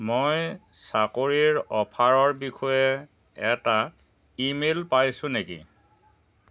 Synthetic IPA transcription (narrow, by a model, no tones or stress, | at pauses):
moj | sakoɹiɹɔpʰaɹɔɹbixʰɔjɛ | ɛta | imelpajsʊ̃nekḭ